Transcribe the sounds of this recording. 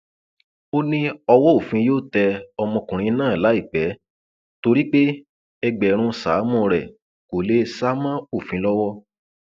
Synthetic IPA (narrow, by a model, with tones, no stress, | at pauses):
o˦nĩ˦ɔ˧wɔ˦o˦˨fĩ˧joː˦˨tɛ˧ɔ˧mɔ̃˧kũ˨ɾ̃ĩ˧˦nãː˦˨la˨˦i˦˨k͡pɛ˨˦ | to˧ɾi˦k͡pe˦ | ɛ˧ɡ͡bɛ˨ɾ̃ũ˧sa̰ː˨˦mɔ̃˧ɾɛ˨ | ko˨le˦sa˦mã˦o˦˨fĩ˧˦lɔ˦wɔ˦